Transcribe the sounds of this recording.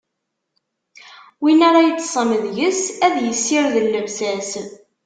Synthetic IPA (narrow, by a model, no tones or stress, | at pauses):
winaɾajət͡sːsˤəməðjəsæðjəsːɪɾðəlːəvsæs